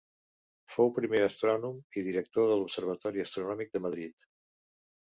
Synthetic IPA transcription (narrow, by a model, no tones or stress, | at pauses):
fowpɾimeəst̪ɾɔnumiðiɾək̚t̪oðəlupsəɾβ̞ət̪ɔɾiəst̪ɾunɔmik̚d̪əməðɾit̪